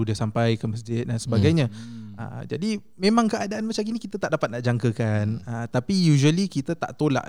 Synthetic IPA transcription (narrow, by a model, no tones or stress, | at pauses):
udisampajkəməs̬d͡ʒɪt̪̚dansəbaɡajɲãə̰d͡ʒa̰di | mẽmãŋkəʔadaʔanmat͡ʃamkinikit̪at̪aʔdapat̪̚naʔd͡ʒaŋkəkanət̪apijuʒuəlikit̪ət̪a̰ʔt̪ola̰ʔ